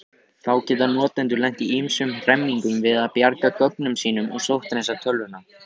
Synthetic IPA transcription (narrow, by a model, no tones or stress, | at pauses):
θawcɛːt̪anɔːt̪ɛnt̪ʏɾlɛn̥t̪iimsʏmr̥ɛmːiŋkʏmvɪðaðpjaɾkakœk̚nʏmsiːnʏmɔ̰ɣsowht̪nɛsat̪ʰœlvʏna